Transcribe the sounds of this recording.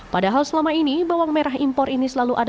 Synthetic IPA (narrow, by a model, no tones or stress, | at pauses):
padaɦalsəlamainibawaŋmeɾaɦimpɔɾʔinisəlaluʔad